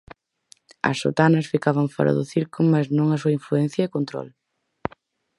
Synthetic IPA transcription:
ɐ̰sːo̰t̪anɐsfikaβɐɱfɔ̰ɾɐ̰ðʊθiɾkʊmaznõŋɐsuɐiɱfluɛn̟θjɐekont̪ɾɔ̰l

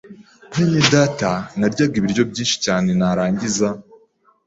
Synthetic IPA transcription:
inidatanaɾɟaːɡiβiɾɟo̞bɟiːnʃi̥caːne̞naɾaːɲɟiza

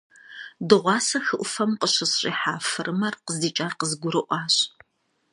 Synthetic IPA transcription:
dɨʁʷɑːsɐxɨʔʷʊfɐmqəɕɐsɕʼḭːħaːfɨrʔɨmɐrqəzdiːt͡ʃʼaːrqəzɡʷʊɾɨʔʷɑːɕ

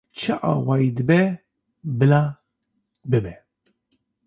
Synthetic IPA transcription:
t͡ʃːɐʔɐ̰wɐjd̪bɛ | blɐ | bɪbɛ

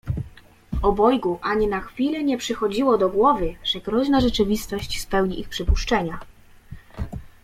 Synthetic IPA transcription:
ɔbɔjɡuʔaɲinaxfʲilɛɲɛpʂɘxɔd͡ʑiwɔd̪ɔɡwɔvɘʐ̥ɛɡɾɔʑnaʐɛt͡ʂɘvʲist̪ɔɕt͡ɕspɛwɲiʔixpʂɘpuʂt͡ʂɛɲa

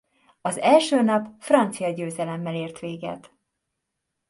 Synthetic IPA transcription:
ɒzɛlʃøːnɒpfrɒnt̪sijɒɟøːzɛlɛmːɛleːrt̪ʋeːɡɛ̰t̪

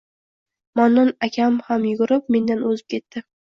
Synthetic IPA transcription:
manːɒnakʲʰamhamjʊɡʊɾɪp̚me̞nd̪anɵzɪp̚kʲʰe̞t̪ːɪ

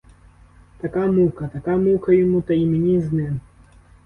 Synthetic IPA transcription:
t̪akamukɐt̪akamukɐjimut̪ɐimʲinʲiznɐjɐ

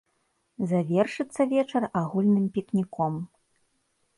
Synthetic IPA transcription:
zavʲɛrʂɨt̪sːɐvʲɛt͡ʂɐraɣulʲnɨmpʲiknʲikɔm

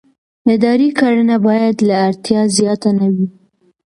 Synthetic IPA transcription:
ɪd̪ɑɾikaɽənabɑjad̪laːɾt̪jɑzjɑt̪anawi

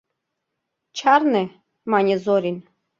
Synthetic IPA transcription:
t͡ʃʰaɾnɛ | manʲɛzɔɾin

